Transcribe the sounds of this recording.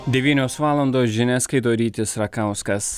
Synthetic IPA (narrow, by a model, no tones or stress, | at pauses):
d̪ʲɛʋʲiːnʲoːsʋɑːlˠɐnd̪oːsʒʲɪnʲæskɐɪd̪oːɾʲiːt̪ʲɪsɾɐkɑˑʊskɐs